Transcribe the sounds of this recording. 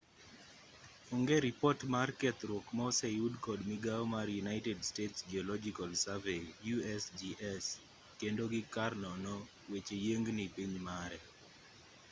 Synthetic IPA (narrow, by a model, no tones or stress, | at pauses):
oŋɡeɾipɔtmarkɛt̪ɾokmɔsɛjudkɔdmiɡaɔmarjunaɪtɛdstetsd͡ʒiɔlɔd͡ʒikalsavejuɛsd͡ʒiʔɛs | kendoɡɪkarnɔnɔ | wet͡ʃejeŋɡnipiɲmaɾɛ